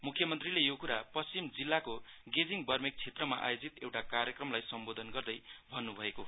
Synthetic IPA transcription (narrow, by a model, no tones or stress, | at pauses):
mukʰjʌmʌnt̪rilejokuɾapʌst͡simd͡zilːakoɡed͡ziŋbʌrmik̚t͡sʰet̪rʌmaʔa̰jod͡zit̪ewʈakarjʌkrʌmlajsʌmbod̪ʱʌnɡʌrd̪ʌjbʱʌnːubʱʌeko